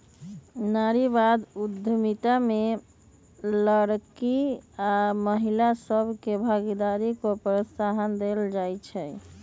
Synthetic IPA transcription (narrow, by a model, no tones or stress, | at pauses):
naɾibad̪ud̪ʱːəmit̪ame | ləɾkiaməɦilasəbʱkebʱaɡid̪aɾikopɾəsaɦənd̪eld͡ʒajt͡ʃʰɛ